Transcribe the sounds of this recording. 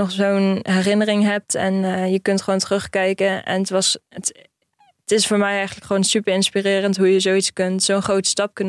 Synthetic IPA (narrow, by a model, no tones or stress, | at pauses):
ɔχsownɦɛrɪnərɪŋɦɛp̚tɛnjəkɵntχʋoːwntərɵχkɛjkənɛ̰nətʋɑsət | tɪsfʊːɹmɛjɛjχənələkχəʋoːnsypəɹɪnspirɪːrəntɦujəzowitskɵntsownχrowtə̥stɑp̚kən